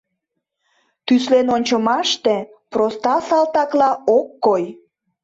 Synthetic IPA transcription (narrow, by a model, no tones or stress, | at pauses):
t̪yslenonʲt͡ɕəmɑʃt̪e | prost̪ɑsɑlt̪ɑklɑokːoj